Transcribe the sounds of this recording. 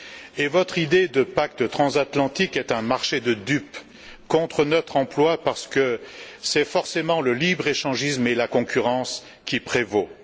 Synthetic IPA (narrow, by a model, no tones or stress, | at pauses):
evɔt̪χid̪ed̪əpak̚t̪ət̪χɑ̃zat̪lɑ̃t̪ikɛt̪ɛ̃maʁʃed̪əd̪yp | kɔ̃t̪χənɔt̪χɑ̃plwapaʁsə̥kəsɛfɔʁsemɑ̃ləlibʁeʃɑ̃ʒismelakɔ̃kʲyʁɑ̃s | kʲipχevo